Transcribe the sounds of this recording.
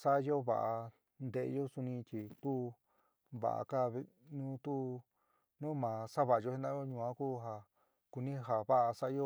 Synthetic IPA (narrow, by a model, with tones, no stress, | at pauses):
sa˦jo˦βa̰˨ʔa˧ | nd̪e˧˨ḛ˧˦jo˦su˧nĩ˧t͡ʃi˧t̪u˦ | βa̰˨a̰˨ka˦β | nũ˦t̪u˦ | nũ˦mãː˨sa˦βa˨a˧jo˧he˦nd̪ã˦o˦ɲũ˧˨ã˦ku˦ɦa˧ | ku˧nĩ˦ɦa˨βa˦ʔa˧sa˦jo˦